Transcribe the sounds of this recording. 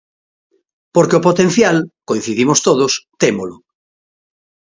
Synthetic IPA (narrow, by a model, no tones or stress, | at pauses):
poɾkeopot̪ẽn̟θjalkoĩn̟θiðimost̪oð̞ost̪emolʊ